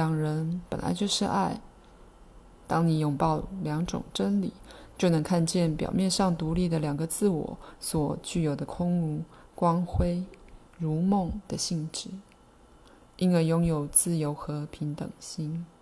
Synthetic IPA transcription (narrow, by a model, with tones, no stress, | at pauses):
ljɑ˨˩ŋɻə˧˥npə̰˨˩nlʔa̰˧˥ɪt͡ɕjo˥˧ʊʂɻ̩˥˧a˥˩ɪ | t̪ɑ˥ŋni˨˩jʊ˨˩ŋpɑ˥˩ʊljɑ˧˥ŋʈ͡ʂʊ̰˨˩ŋʈ͡ʂə˥nlḭ˨˩˦t͡ɕjo˥˩ʊnɤ˧˥ŋkʰa˥˧nt͡ɕjɛ˥˩npjɑ̰˨˩ʊmjɛ˥˧nʂɑ˥˩ŋt̪u˧˥li˥˩d̪ə˩ljɑ˨˩ŋɡə˦t͡sɹ̩˥˩wɔ̰˨˩˦swɔ˨˩t͡ɕy˥˩jo˨˩ʊd̪ə˦kʰʊ˥ŋu˧˥kwɑ˥ŋxwe˥ɪ | ɻu˧˥mʊ˥˩ŋd̪̥ə˨ɕi˥˧˩ŋʈ͡ʂɻ̩˥˩˦ | i˥nə˧˩jʊ˥ŋjo˨˩ʊt͡sɹ̩˥˩jo˧˥ʊxɤ˧˥pʰi˧˥ŋt̪ɤ̰˨˩ŋɕi˥ŋ